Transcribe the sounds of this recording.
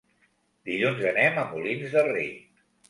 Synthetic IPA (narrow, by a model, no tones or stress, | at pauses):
d̪iʎunzənɛməmulinzðərḛt̪